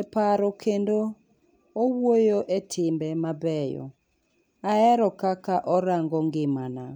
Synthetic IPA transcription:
ɛpaɾɔkʰendo | owwojoʔetʰɪmbɛmabɛjɔ̰ | aɛɾɔkakaʔɔɾaŋɡɔŋɡɪmana

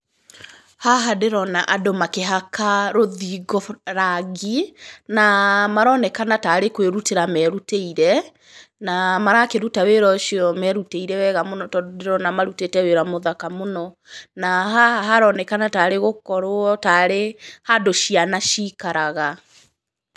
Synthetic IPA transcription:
haɦadeɾɔnaʔadomakeɦakaɾoðiɣɔɾaɣinamaɾɔnɛkanataɾekweɾuteɾamɛɾuteiɾɛ | namaɾakeɾutaweɾɔʃiɔmɛɾuteiɾɛwɛɣamonɔtɔddeɾɔnamaɾutetɛweɾamoðakamonɔ | naɦaaɦaɾɔnɛkanataɾeɣokɔɾoɔtaɾehadoʃianaʃikaɾaɣa

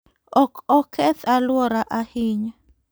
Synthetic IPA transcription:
ɔkɔkʰɛθalwɔɾaʔahiɲa

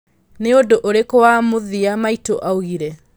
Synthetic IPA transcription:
neodoʔoɾekowamoðiamaitoʔaoɣiɾɛ

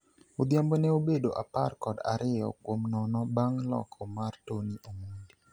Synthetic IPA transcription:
od̪jambonɛobedoʔapa̰rkɔda̰ɾʔɪjɔ̰kwomnɔnɔbaŋlɔ̰kʰɔmartoniʔomondi

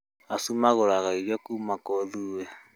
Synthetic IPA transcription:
asumaɣoɾaɣaiɣɔkuːmakɔðuːwɛ

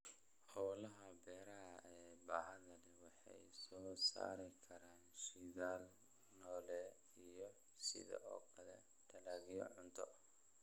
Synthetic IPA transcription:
ħɔːlɐɦɐbɛːɾɐɐʔɛːbaːɦɐðɐlɛwɑħɑ̰jsɔːsa̰ːɾɪkʰɐɾaːnʃiðaːl | nɔːlɛː | ijɔ | sɪ̰ðɐ̰ʔɔ̰ːkʰɐlɛ̰ | t̪ʰɐlaːɣɪjɔ̰ʕʊnt̪ʰɔ

